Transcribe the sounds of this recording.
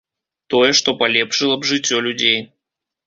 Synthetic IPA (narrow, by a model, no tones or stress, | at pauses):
t̪ɔjɛʂt̪ɔpalʲɛpʂɨlˠɐbʐɨt͡sʲːɔlʲud͡zʲej